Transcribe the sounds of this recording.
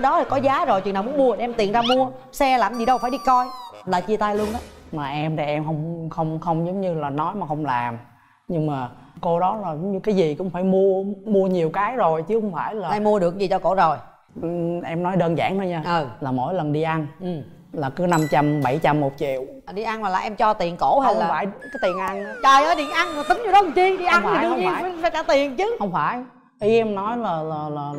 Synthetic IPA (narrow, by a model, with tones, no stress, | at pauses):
ɗɔ˨˦˨kɔ˨˦zaː˨˦zo˨˩jt͡ɕw̰naː˨˩mu˨˦nmu˧ə˨˩˨ʔɛ˧mt̪i˨˩ənzaː˧mu˧əsɛ˧laː˨˩mzi˨˩ɗə˧wfaː˧˩jɗi˧kɔ˧jlaː˨˩t͡ɕi˧ət̪aː˧jlu˧ənʔɗɔ˨˦ | maː˨˩ʔɛ˧mɗə˨˩ʔɛ˧mxə˧wŋ͡mxə˧wŋ͡mxə˧wŋ͡mzə˨˦wŋ͡mɲɨ˧laː˨˩nɔ˨˦jmaː˨˩xə˧wŋ͡mlaː˨˩m | ɲɨ˧ŋmaː˨˩ | ko˧ɗɔ˨˦la˨˩zwɲɨ˧kaː˨˦jzi˨˩kʊ̰˧˥ŋ͡mfaː˧˩jmu˧əmu˧əɲi˨˩əwkaː˨˦jzo˨˩jt͡ɕɨ˨˦xʊ˧˦ŋ͡mfaː˧˩jlaː˨ɛ˧mːu˧əɗɨ˨˩ək̚zi˨˩t͡ɕɔ˧ko̰˧˩zo˨˩j | ʔɛ˧mnɔ˨˦jɗəː˧nza̰ː˧˩˨ŋhəː˧jɲaː˧˨˩laː˨˩mo̰˧˥˨jlə˨˩nɗi˧ʔa˧n˨˩ | laː˨˩kɨ˨˦na˧mt͡ɕa˧mɓa˧˩jt͡ɕa˧mːo˨˩t̚t͡ɕḭ˧˨əwɗi˧ʔa˧nlaː˨˩la̰ː˨˩ʔɛ˧mt͡ɕɔ˧t̪i˨˩ənko̰˧˥ha˧˦˨faː˧˩jkaː˨˦t̪i˨˩ənʔa˧nt͡ɕɔ˧əː˨˦ɗḭ˨˩ənʔa˧na˨˩t̪ɨ˨˦ŋɲ˨˧˩ɗɔ˨˦kŋ͡mt͡ɕi˧əɗi˧ʔa˧˨wŋ͡mfaː˨˧˩ɨ˨˧ə˧ɲi˧aː˧˩jfaː˧˦kaː˧˩˦t̪i˨˩ənt͡ɕɨ˨˦hə˧wŋ͡mfaː˧˩j | ʔi˨˦ʔɛ˧mnɔ˨˦jlaː˨˩laː˨˩laː˨˩